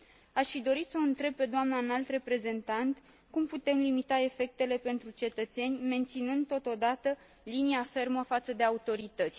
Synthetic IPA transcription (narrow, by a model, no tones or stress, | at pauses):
aʃfid̪o̞ɾit̪səɨnt̪ɾe̞b̚pe̞d̪oamnanalt̪re̞pɾe̞ze̞nt̪ant̪ | kumput̪e̞mlimit̪ae̞fe̞k̚t̪e̞le̞pe̞nt̪ɾut͡ʃe̞t̪ət̪se̞nʲme̞nt̪sinɨnd̪̚t̪ːo̞t̪o̞d̪at̪ə | liniafe̞rməfat̪səd̪e̞aut̪o̞ɾit̪ət̪sʲ